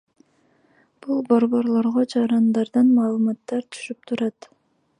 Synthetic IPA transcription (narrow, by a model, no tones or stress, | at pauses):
b̥ulˠbo̞ɾβo̞ɾlˠo̞ɾʁod͡ʒɑɾɑnd̪ɑɾd̪ɑnmɑːlˠɯmɑt̪ːɑɾt̪ʰy̥ʃyp̚t̪ʰuɾɑt̪